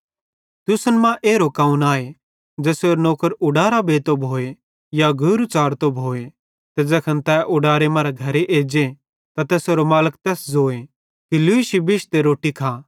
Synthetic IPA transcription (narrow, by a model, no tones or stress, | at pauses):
t̪ʊsənmãʔeːɾokaːũnaːe | d͡ʒɛːsoːɾnoːkəɾʊɽaːɾabeːt̪obʱoːe | jaɡʱʊɾut͡ʃaːɾt̪obʱoːe | t̪ɛd͡zɛːkʰɐ̃nt̪ɛːʔʊɖaːɾemaːɾaɡʱɐɾeʔeːd͡ʒe | t̪at̪ɛːsoɾomaːlək̚t̪ɛːsd͡zoːe | kiluːɪʃibɪʃt̪eɾoːʈikʰaː